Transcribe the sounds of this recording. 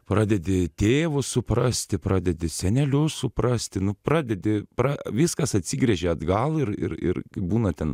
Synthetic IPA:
pɾɑːd̪ʲɛd̪ʲɪt̪ʲeːʋʊssʊpɾɑsʲt̪ʲɪpɾɑːd̪ʲɛd̪ʲɪsʲɛnʲɛlʲʊssʊpɾɑsʲt̪ʲɪnʊprɑːd̪ʲɛd̪ʲɪpɾɑʋʲɪskɐsɐt̪ʲsʲiɡɾʲɛʒʲeɐd̪ɡɐlˠɪɾɪ̰ɾɪ̰rkɐɪbuːnɐt̪ʲɛn

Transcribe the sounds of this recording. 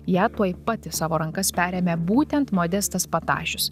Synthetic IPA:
jæːt̪uɔjpɐt̪ʲɪsɑːʋoːɾɐŋkɐspʲæːɾʲeːmʲebuːt̪ʲɛnt̪moːd̪ʲɛst̪ɐspɐt̪ɑ̰ːʃʲʊs

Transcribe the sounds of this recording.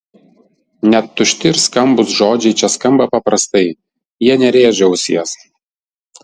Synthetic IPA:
nʲɛt̪ːʊʃʲt̪ʲɪɾskɐmbʊsʒoːd͡ʒʲɛɪt͡ʃʲɛskɐmbɐpɐpɾɐst̪ɐɪ | jiɛnʲɛɾʲeːʒʲɛʊsʲiɛs

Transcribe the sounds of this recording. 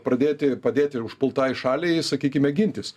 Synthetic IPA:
pɾɐd̪ʲeːt̪ʲɪpɐd̪ʲeːt̪ʲɪʊʃpʊlˠt̪ɑːjʃɑːlʲɛɪsɐkʲiːkʲɪmʲɛɡʲɪnʲt̪ʲɪs

